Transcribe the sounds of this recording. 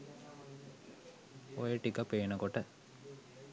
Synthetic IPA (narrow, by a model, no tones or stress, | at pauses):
ojəʈikəpːeːnəkoʈə